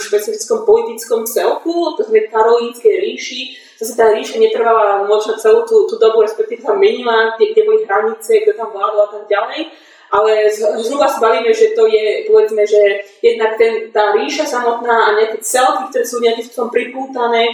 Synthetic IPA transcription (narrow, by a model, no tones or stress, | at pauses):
ʃpɛt͡sifit͡skɔmpɔlit̪it͡skɔmt͡sɛlkut̪ɔɣzanɛkaɾɔliːnskɛjɾiːʃi | zasɛt̪aːɾiːʃaɲɛt̪r̩ʋalamɔt͡ʃnat͡sɛluːt̪uːt̪uːd̪ɔbuɾɛspɛkt̪iːʋɛsamɛɲilaɡɛɡɟɛbɔliɦɾaɲit͡sɛɡd̪ɔt̪amvlaːd̪ɔlat̪aɡ̚ɟalɛj | ʔalɛzzɦɾuvasabaʋiːmɛʒɛt̪ɔjɛpɔʋɛd͡zmɛʒɛjɛd̪nakt̪ɛnt̪aːɾiːʃasamɔt̪naːaɲaakɛt͡sɛlkikt̪ɔɾɛːsuluɲɲat̪ift̪ɔt̪ɔmpɾipuːt̪anɛː